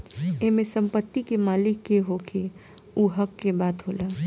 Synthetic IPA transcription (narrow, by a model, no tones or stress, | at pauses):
emẽsə̃mpət̪ːikemaːlɪkːeɦokʰe | uɦəkːebaːt̪ɦolaː